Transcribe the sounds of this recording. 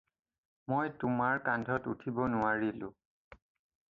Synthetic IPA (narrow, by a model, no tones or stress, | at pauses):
mojtʊmaɹkandʱɔtutʰibɔnʊwaɹilʊ̰̃